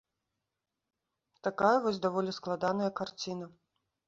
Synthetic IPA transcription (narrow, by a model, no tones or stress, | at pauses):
t̪akajɐvɔsʲd̪avɔlʲisklˠad̪anɐjɐkart͡sʲinɐ